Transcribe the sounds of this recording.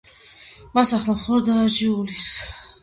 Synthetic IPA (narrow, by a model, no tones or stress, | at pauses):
masaχlamχɔlɔd̪aːd͡ʒiulis